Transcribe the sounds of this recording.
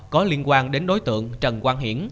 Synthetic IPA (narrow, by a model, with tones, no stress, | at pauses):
kɔ˨˦li˧ənkwaː˧nɗe˨˦nɗo˨˦jt̪ɨ̰˧˨əŋt͡ɕə˨˩nkwaː˧nɦḭ˧˩əm